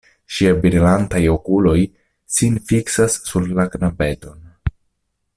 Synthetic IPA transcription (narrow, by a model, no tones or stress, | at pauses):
ʃiabiɾilantajo̞kulo̞j | sinfiksasːuɾlaknabe̞to̞n